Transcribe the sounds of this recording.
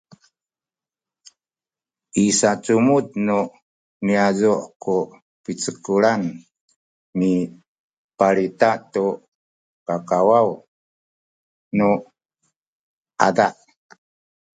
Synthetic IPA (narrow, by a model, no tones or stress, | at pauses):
isat͡sumutnu | miazuʔku | pit͡səkuɾan | mi | paɾitatu | kakawaw | nu | a̰daʔ